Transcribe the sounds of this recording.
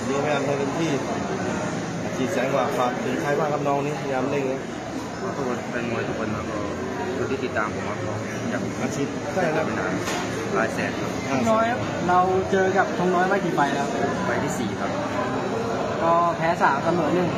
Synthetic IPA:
niː˦˥˧a˥˩jaː˧nʰaː˥˩pe˧np̪ʰiː˥˩ | a˨˩t͡ɕʰiː˧˩t͡ɕɛː˨˦ŋ˧waː˧˩kʰaː˧˩m̚t̪ʰɯ˨˦t͡ɕʰaː˦˥jwaː˥˩kʰa˦˥p̚nɔː˧˥ŋniː˦˥a˧˩jaː˧mle˥˩ŋlɛː˦˥ | ɔː˧˩t̪ʰu˦˥k̚wa˧npe˧nŋu˧jt̪ʰu˦˥k̚wa˧nlaː˧˩kʰɔː˧ | kʰːnt̪iː˥˩˨i˨˩t̪ːaː˧mpʰo˨˩˦mkʰa˦˥˩p̚ʰɔː˧˩ | ja̰ː˨˩k̚maː˧˩t͡ɕʰi˦˥t̪̚ | t͡ɕaː˥˩˥a˦˩ma˧˩naː˧n | ɾaː˧jsɛ̰ː˨˩t̪̚kʰo˧na˥˧˩nɔː˦˥jkʰa˦˥p̚ | ɾa˧wt͡ɕɤː˧ka˨˩p̚t͡ɕʰo˧ŋnɔː˦˥jma˥˩jt̪iː˨˩pa˧jlɛː˦˥wa˦˧˩pa˧jt̪ʰiː˥˩siː˨˩kʰa˦˥p̚ː | t̪ɔː˧˩pʰɛː˦˥saː˩˦msa˧mɤː˨˩˦nɯ˨˩ŋ

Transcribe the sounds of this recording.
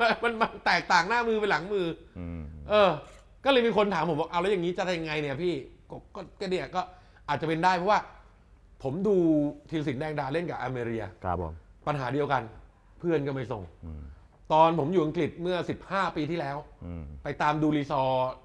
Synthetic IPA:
ma˧nma˧nt̪ɛː˨˩k̚t̪aː˨˩ŋnaː˥˩mɯː˧pe˧nla˩˦ŋmɯː˧ | ʔɤː˧ | kɔː˥˩lɤː˧jmiː˧kʰo˧nt̪ʰaː˨˩˦mpʰo˩˦ɔaː˧˩ʔa˧wlɛ˦˥ja˨˩ŋiː˦˥t͡ɕa˨˩t̪a˧˩ja˧ŋa˧jni˧˩ɐpʰiː˥˩kkɔː˥˩kːni˧˩a˨˩kɔː˥˩ | ʔaː˨˩t̪̚t͡ɕa˨˩pe˧ndaː˥˩jpʰɔ˦˥waː˥˩ | pʰo˩˦mduː˧t̪ʰiː˧ls̬i˨˩˦ndɛː˧ŋdaː˧le˥˩nkaː˨˩ʔaː˧meː˧ɾi˧ɐ˧a̰˦pmpa˧nɦaː˩˦di˧əwka˧n | pʰɯ˥˩ənkɔ˥˩ma˥˩jso˨˩ŋ | t̪ɔː˧npʰo˩˦mjuː˨˩ʔa˧ŋkli˨˩t̪̚mɯ˥˩ɐsi˨˩p̚haː˥˩piː˧t̪ʰiː˥˩lɛː˦˥wpa˧jt̪aː˧mduː˧liː˧sɔː˧

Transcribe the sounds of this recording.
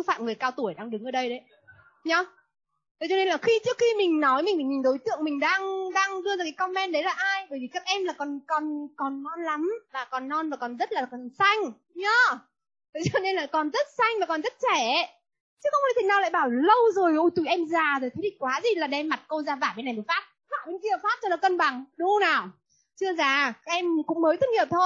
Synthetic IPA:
fa̰ː˧˨mŋɨ˨˩əjkaː˧wt̪u˧˩əjɗaː˧ŋɗɨ˨˦ŋʔəː˧˩ɗə˧jɗə˨˦j | ɲɔ˨˧˦ | t̪ə˨˦t͡ɕɔ˧ne˧nlaː˨˩xi˧t͡ɕɨ˦˥ək̚xi˧mï˨˩ŋ̟nɔ˨˦jmi˨˩i˨˩ɲi˨˩nɗo˨˦jt̪ɨ̰˧˨əŋmï˨˩ŋ̟ɗaː˧ŋɗaː˧ŋɗɨ˧əzaː˧˩kaː˨˦kɔ˧mːɛ˧nɗə˨˦jlaː˨˩ʔaː˧jɓəː˧˩jvi˨˩kaː˦˥k̚ʔɛ˧mlaː˨˩kɔ˨˩nkɔ˨˩nkɔ˨˩nːɔ˧nla˨˦mvaː˨˩kɔ˨˩nːɔ˧nvaː˨˩kɔ˨˩nzə˦˥t̚laː˨˩kɔ˨˩nsa˧jŋ̟ | ɲaː˨˧˦ | t̪ə˨˩t͡ɕɔ˧ne˧nlaː˨˩kɔ˨˩nzə˦˥t̚sa˧jŋ̟vaː˨˩kɔ˨˩nzə˦˥t̚t͡ɕɛ˧˩˧ | t͡ɕɨ˦˥kŋ͡ma˨˩t̪ʰnaː˨wlaː˧˨jɓaː˧˩wlə˧wzo˨˩jʔu˧jt̪u˨˩˨ʔɛ˧mzaː˨˩zo˨˩jt̪ʰə˨˦ɗi˨ŋ̟kwaː˨˦zi˨˩laː˨˩ɗɛ˧mːa˨˩t̚kə˧zaː˧vaː˧˩ɓe˧˦na˨˩jmə˨˩faː˦˥t̚ | vaː˧˩ɓe˧nki˧ə˨˩faː˦˥t̚t͡ɕɔ˧laː˨˩kə˧nɓa˨˩ŋɗu˨˦naː˨˩w | t͡ɕɨ˧əzaː˨˩kaː˦˥k̚ʔɛ˧mkʊ̰˧˥ŋ͡mməː˨˦jt̪ʰk̚ŋi˨˩p̚t̪ʰo˧j

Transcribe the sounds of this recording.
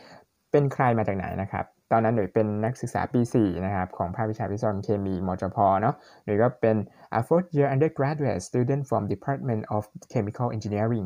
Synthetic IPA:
pe˧nkʰɾa˧jmaː˧t͡ɕaː˨˩k̚na̰˨˩˦jna˦˥kʰɾa̰˦˥p̚t̪ɔː˧nːa˦˥nːu˩˦jpe˧nːa˦˥k̚sɯ˨˩k̚sa̰ː˩˦piː˧siː˨˩na˦˥kʰa˦˥p̚kʰɔː˩˦ŋpʰaː˥˩pʰːi˦˥t͡ɕʰaː˧˩pʰi˦˥sa˧nkʰeː˧miː˧mɔː˧t͡ɕɔ˧pʰɔː˧nɔ˦˥ | nu˨˩˦jkɔː˥˩pe˧nʔa̰˧foː˦˥t̪̚ji˧˥ʔa˧ndə˧˩kɾaː˦˥du˧ḛ˨˩t̪̚st̪uː˧˩de˥˩˨nfɾɔ˧mdi˨˧pʰaː˦˥t̪̚me˧ntʔɔ˨˩fkʰeː˧mi˧kʰa˥˩wʔe˧nt͡ɕi˧ni˦˥ɐɾi˧˥˩ŋ

